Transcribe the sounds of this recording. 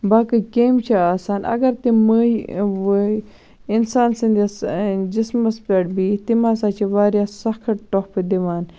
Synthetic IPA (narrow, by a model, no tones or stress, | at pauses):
baːkɨkeːmt͡ʃʰaaːsaːnʔɐ̰ɡɐɾt̪imə | insaːnsɐnd̪ʲasd͡ʒismɐspɐʈ̚biːt̪imaːsaːt͡ʃʰiʋaːɾjasɐxkʰɐʈʈoxpɨd̪iʋaːn